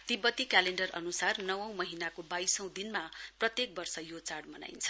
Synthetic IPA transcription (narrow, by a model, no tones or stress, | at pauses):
t̪ibʌt̪ikaleɳɖʌrʌ̰nusarnʌwʌ̃w̃mʌɦinakobajsʌ̃w̃d̪inmaprʌt̪jek̚bʌrsʌjot͡saɽmʌna̰jnt͡sʰʌ̥